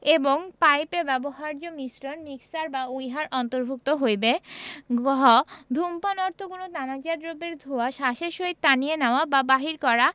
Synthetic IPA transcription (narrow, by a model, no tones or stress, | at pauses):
eboŋpajpebɛboɦaɾd͡ʑomisɾonmiksaɾbaujɦaɾʔɔnt̪oɾbʱuk̚t̪oɦojbeɡɔɦɔd̪ʱumpanɔɾt̪ʰokunot̪anakd͡ʑad̪ɾobeɾd̪ʱuaʃaʃeʃoit̪̚t̪ːanijenaoababaɦiɾkɔɾa